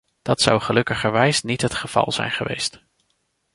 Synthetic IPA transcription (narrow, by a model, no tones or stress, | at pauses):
d̥ɑtsɑwχəlɵkəχəɹʋɛjsnitɦətχəv̥ɑ̰lˠz̥ɛ̰jnχəʋejst